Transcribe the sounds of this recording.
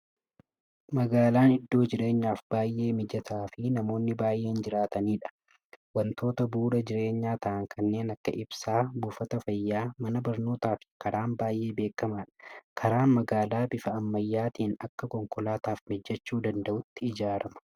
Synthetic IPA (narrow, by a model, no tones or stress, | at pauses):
mɐɡaːlaːnɪd̪ːo̞ːd͡ʒɪɾe̞ːɲːaːfb̥aːjʔːe̞ːmɪd͡ʒɐt̪aːfɪnɐmo̞ːnːɪbaːjʔe̞ːnd͡ʒɪɾaːt̪ɐniːᶑɐ̥ | wɐnt̪ʰo̞ːt̪ɐbuːɾɐd͡ʒɪɾe̞ːɲːaːt̪ɐʔɐŋkʰɐnːe̞ːnɐkːɐ̰ʔɪbsaːbuːfɐt̪ɐfɐjːaːmɐnɐbɐɾno̞ːt̪aːfɪkɐɾaːnbaːjʔe̞ːbeːkɐmaːᶑɐ̥kʰɐɾaːnmɐɡaːlaːbɪfɐɐmːɐjːaːt̪iːnɐkːɐkɔŋkɔlaːt̪aːfmɪd͡ʒːɐt͡ʃːuːd̪ɐnd̪ɐʔʊt̪ːɪɪd͡ʒaːɾɐmɐ̥